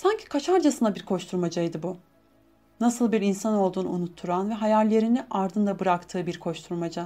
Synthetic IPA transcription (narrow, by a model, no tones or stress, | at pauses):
saɲcʰi̥kʰat͡ʃʰaɾd͡ʒasɯnabiɾkʰo̞t͡ʃt̪ʰuɾmad͡ʒajd̪ɯbu | nasɯlˠbiɾinsanolˠd̪uːnuunut̪ʰːuɾanvɛɦajalʲːe̞ɾiniʔaɾd̪ɯnd̪abɯɾakt̪ʰɯːbiɾkʰo̞t͡ʃt̪ʰuɾmad͡ʒa